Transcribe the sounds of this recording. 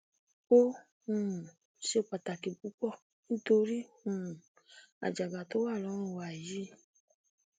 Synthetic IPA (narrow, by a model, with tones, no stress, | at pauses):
o˦ | hũ˨ | ʃe˦k͡pa˨ta˨ki˨bu˨˦k͡pɔ˦˨ | n̩˦to˧ɾi˦hũ˨ | a̰˨d͡ʒa˨ɡa˨to˦wa˦˨lɔ˨˦ɾ̃ũ˦˨wa˨ji˨˦